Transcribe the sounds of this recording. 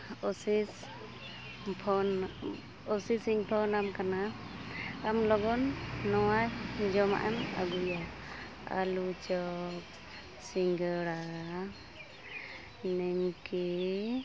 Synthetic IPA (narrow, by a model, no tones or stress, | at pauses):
ɔsis | pʰɔn | ɔsisiŋt̪ʰɔnamkanaː | mlɔɡɔnːɔwajd͡ʒɔma̰ʔana̰ɡuja | a̰lut͡ʃɔk̚ | siŋɡəɽa | nɛmkɛ